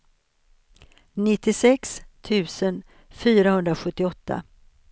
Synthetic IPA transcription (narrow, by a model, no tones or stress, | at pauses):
nɪt̪ːɪsɛkst̪ʰʉ̟ːsən | fyːɾahɵnd̪ɾaɧɵt̪ːɪɔt̪ːa̰